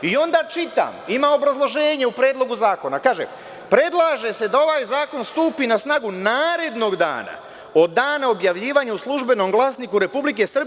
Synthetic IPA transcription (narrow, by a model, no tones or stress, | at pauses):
io̞nd̪aːt͡ʃit̪a̰ːmimaːo̞bɾazlˠo̞ʒe̞ːɲeupɾeːd̪lˠo̞ɡuzaːko̞nakaːʒḛ | pɾe̞d̪lˠaːʒe̞se̞d̪ao̞ʋaːjzaːko̞nst̪uːpiːnasnaːɡunaːɾe̞d̪no̞ɡd̪a̰ːna̰ | o̞d̪ːaːnao̞bjaʋʎiːʋaːɲeuslˠuʒbe̞no̞mɡlˠaːsniːkuɾe̞publik̬esr̩b